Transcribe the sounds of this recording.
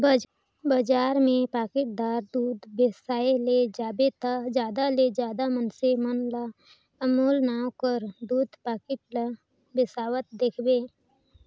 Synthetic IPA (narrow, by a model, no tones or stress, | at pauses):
b | bad͡ʒaːɾmẽpaːkɪʈ̚d̪aːɾd̪uːd̪bɪsaːeled͡ʒaːbet̪ad͡ʒaːd̪aled͡ʒjaːd̪amənsemənla | əmuːlnaːwkəɾd̪uːd̪paːkɪʈl | bɪsaːwət̪̚d̪eːkʰbeː